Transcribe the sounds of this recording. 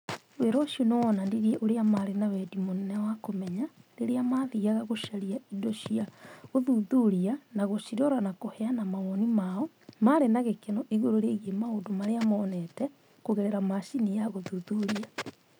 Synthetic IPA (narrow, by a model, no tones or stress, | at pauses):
weɾɔʃionewɔnandiɾieʔoɾeamaɾenawɛdimonɛnɛwakomɛɲaɾeɾeamaðiaɣaɣoʃaɾiaidoʃiaɣoðuðuɾianaɣoʃiɾɔɾanakohɛanamamɔnimaɔ | maɾenaɣekenɔʔiɣoɾoɾeɣemaodomaɾeamɔːnɛtɛ | koɣeɾeɾamaʃinijaɣoðuðuɾia